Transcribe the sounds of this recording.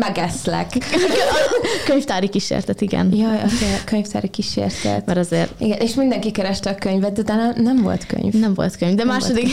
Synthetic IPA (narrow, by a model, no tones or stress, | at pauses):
mɛɡɛslɛ̰k | køɲft̪aːɾikiʃḛːrt̪ɛt̪iɡɛ̰njɒjɒzekøɲft̪a̰ːɾikiʃḛːrt̪ɛ̰t̪mɛɾɒzeːriɡɛnʔeʃmind̪ɛŋkikɛɾɛʃt̪ɛɒkøɲvɛt̪̚d̪ɛt̪aːlanɛɱvo̞̰lt̪kø̰ɲvnɛɱvo̞̰lt̪køɲvd̪ɛmaːʃod̪ik